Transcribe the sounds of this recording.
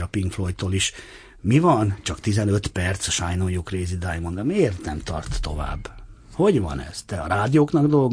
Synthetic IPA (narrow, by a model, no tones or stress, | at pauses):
ɒpiŋkflojt̪ːoːliʃ | mivɒnt͡ʃɒkt̪izɛnø̞t̪pɛrt̪sɒʃajnojukreːzid̪aːjmond̪ɒmeːrt̪nɛmt̪ɒ̰rt̪ːo̞va̰ːbː | ho̞ɟvɒ̰nɛ̰z̥t̪ɛɒɾaːd̪ijoːknɒɡd̪o̞lɡ